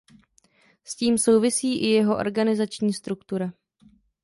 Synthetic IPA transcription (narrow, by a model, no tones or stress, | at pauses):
sciːmso̞wvɪsiːʔɪjɛɦo̞ʔo̞̰ɾɡanɪzat͡ʃɲiːst̪ɾukt̪uɾa